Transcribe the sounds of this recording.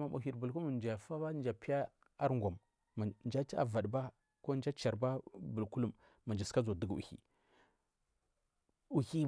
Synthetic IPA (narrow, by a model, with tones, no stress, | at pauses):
ma˨mu˨i˨ɾbu˨lku˦lu˦˨d͡ʒfa˦ba˦n˦d͡ʒa˨pi˦ja˦ | a˦ɾŋɡʷa˨m | a˨nd͡ʒa˦ti˦a̰˨va˨ɗba˦ | ko˦nd͡ʒa˦t͡ʃa˨ɾba˦bu˨lku˦lu˦˨mː | a˨nd͡ʒi˨ska˦zo˨də˨ɡṵ˨hḭ˨ | u˨hi˦